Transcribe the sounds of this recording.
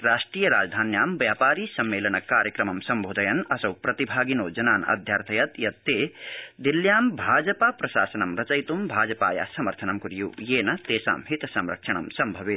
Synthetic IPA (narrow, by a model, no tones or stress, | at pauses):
ɾaːʂʈɾiːjɐɾa̰ːd͡ʒd̪ʱaːnjaːmʋjaːpaːɾiːsɐmːeːlɐnɐkːaːɾjɐkɾɐmɐmsɐmbʱoːd̪ɐjɐnɐsɐwpɾɐt̪ibʱaːɡinoːd͡ʒɐnaːnɐ̰d̪ʱjaːɾt̪ʰɐjɐt̪jɐt̪ːeːd̪iljaːmbʱaːd͡ʒɐpaːpɾɐʃaːsɐnɐmɾɐt͡ʃɐjt̪umbʱaːd͡ʒɐpa̰ːja̰sɐmɐɾt̪ʰɐnɐmkuɾijṵːjeːnɐt̪eːsa̰ːmɦit̪ɐsɐmɾɐkʂʰɐɳɐmsɐmbʱɐʋit̪